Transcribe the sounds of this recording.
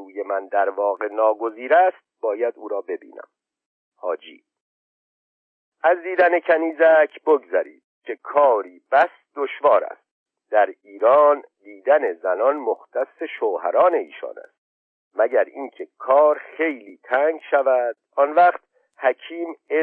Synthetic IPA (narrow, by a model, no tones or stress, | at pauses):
uːje̞mænd̪æɾvɒːɣe̞nɒːɡo̞ziːɾæst̪̚b̥ɒːjæd̪uːɾɒːbe̞bḭːnæ̰m | hɒːd͡ʒḭː | æzd̪iːd̪æne̞cʰæniːzæcʰboɡzæɾḭːd̪̥̚cʰe̞kʰɒːɾiːb̥æs | d̪oʃvɒːɾæ̰st̪̚ | d̪̥æɾiːɾɒːnd̪iːd̪æne̞zænɒnmoxt̪æsːe̞ʃoːhæ̰ɾɒːne̞ḭːʃɒ̰ːnæ̰st̪̚ | mæɟæɾiːŋcʰe̞kʰɒːɾχe̞jliːt̪ʰæːŋɡʃævæd̪̥̚ɒnvæχt̪ | hæcʰiːme